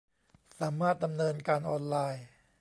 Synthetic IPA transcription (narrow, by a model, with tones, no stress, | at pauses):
saː˩˦maː˥˩t̪̚da˧mnɤː˧nkaː˧nʔɔː˧nlaː˧j